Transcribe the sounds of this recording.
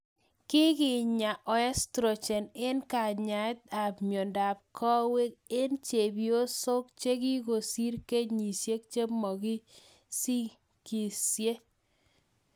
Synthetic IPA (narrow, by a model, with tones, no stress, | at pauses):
kɪ˦kɪ˨ɲa˨ʔɔ˨ɛ˦stɾo˨t͡ʃɛ˨nɪ˦nka˨ɲa˨ɪ˦t̪a˨bmjo˨nda˨p̚kʰɔ˦we˦k̚ɪ˦nt͡ʃe˨bjo˦so˦k̚t͡ʃe˦ki˦ko˨si˦ɾke˦ɲi˨sje˦kt͡ʃe˦mɔ˨ɡi˦ | si˦ | ki˨sje˦